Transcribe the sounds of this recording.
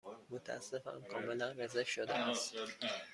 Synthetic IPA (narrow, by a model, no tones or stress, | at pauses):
mot̪ʰææ̰sːefæ̰nkʰɒːmelænɾezefʃod̪eʔæst̪